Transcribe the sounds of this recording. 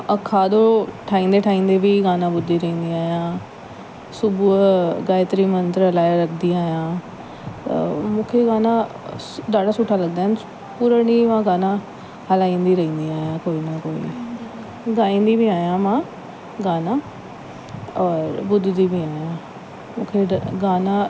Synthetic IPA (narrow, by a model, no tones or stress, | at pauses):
əkʰːaːd̪oːʈʰaːĩːnd̪eːʈʰaːĩːnd̪eːbiːɡaːnãːbʊd̪ːiːɾəĩːnd̪iːaːjãː | sʊbuɡaːet̪əɾiːmənt̪ɾəlaːjaːɾək̚ʰd̪iːaːjãː | mʊ̃kʰeːɡaːnãː | d̪aːɖaːsʊʈʰːaːləɡ̚d̪aːɦn | puːɾaniːmãːɡaːnãː | ɦəlaːĩːnd̪iːɾəĩːnd̪iːaːjãːkoːiːnãːkoːḭː | ɡãːĩːnd̪iːbiːaːjãːmãː | ɡaːnãː | ɔːɾbʊd̪ːd̪iːbiːaːjãː | mʊ̰̃ːkʰeːɡaːnãː